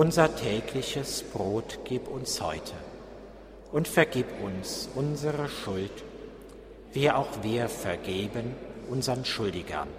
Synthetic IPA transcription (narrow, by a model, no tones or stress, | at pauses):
ʔʊnzɐtʰɛːkʰlɪçəsb̥ʁoːtɡ̥iːpʊnshɔ̰ʏtʰə | ʔʊntfɛɐɡiːpʊnsʔʊnzəʁəʃʊlt | viːʔaʊxv̥iːɐfɛɐɡeːbənʔʊnzəʁənʃʊldɪɡɐ̰n